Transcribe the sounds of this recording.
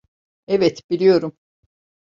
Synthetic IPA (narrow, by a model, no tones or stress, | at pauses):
evɛt̪b̥ilʲijo̞ɾum